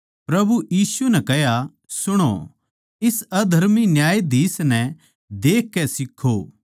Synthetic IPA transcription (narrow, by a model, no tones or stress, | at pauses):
pɾɐbujiːsunɛkɛɦja | sʊɽ̃o̰ | ɪsɐd̪ʱɐɾminjaːjd̪iːsnɛ̃ | d̪eːkːɛsɪkʰːoː